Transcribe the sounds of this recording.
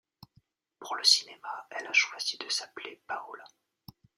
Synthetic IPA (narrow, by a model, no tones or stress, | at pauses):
puʁləsi̥nemaɛlaʃwaz̥id̪əsaplepaula